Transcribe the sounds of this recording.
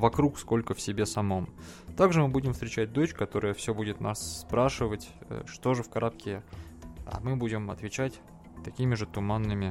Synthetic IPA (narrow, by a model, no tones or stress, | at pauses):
vɐkɾuksko̞lʲkəfsʲɪbʲe̞sɐmo̞m | t̪aɡʐɨmɨbudʲɪmfst̪ʲɾʲɪt͡ɕæt̚ʲd̪o̞t͡ɕkɐt̪o̞ɾɨjəfsʲobudʲɪt̪nasːpɾaʂɨvətʲə̰ʂt̪o̞ʐɨfkɐɾap̚kʲɪ | a̰mɨbudʲɪmɐ̰t̪vʲɪt͡ɕætʲ | t̪ɐkʲimʲɪʐɨt̪ʊmanːɨmʲɪ